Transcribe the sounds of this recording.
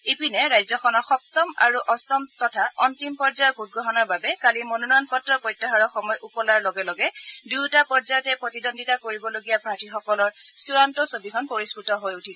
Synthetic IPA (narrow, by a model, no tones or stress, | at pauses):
epinɛɹajzɔxʰɔnɔɹxɔp̚tɔma̰ɹuʔɔstɔmtɔtʰaɔntimpɔɹd͡ʒajɔut̚ɡɹɔɦɔnɔɹbabɛkalimonunjnpɔtɹɔpɔjtːaɦɔɹɔxɔmɔjʔupɔlaɹlɔɡɛlɔɡɛduwtapɔɹzajɔtɛpɹotidonditakoɹibɔloɡijabʱatixɔkɔlɔɹsuɹantɔsobikʰɔnpoɹisputɔɦojutʰisɛ